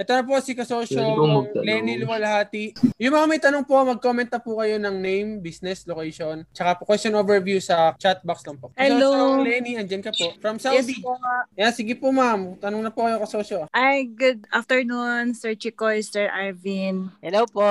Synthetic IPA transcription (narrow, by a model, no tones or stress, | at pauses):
ʔɛt̪onɐp̬osikɐsoʃolɛnilɪwɐlhaːt̪ijʊŋmɐŋamɐjt̪ɐnoŋpo̞mɐɡ̚komɛnt̪ːɐpukɐjo̞nɐŋnejmbisnɛslokɛjʃont͡ʃɐkapokwɛst̪onʔoːvɛɹvjusɐt͡ʃat̪̚bɐkslɐŋpoʔhɛlolɛniɐnd͡ʒɐnkɐpoʔfɹɐmsad̪ijasiɡɪpomamt̪ɐnoŋnɐpukɐjokɐsoːʃoʔajɡʊd̪̚aft̪ɛɹnunsɛɹt͡ʃikojst̪ɛɹʔaɹvinhɛlowpoʔ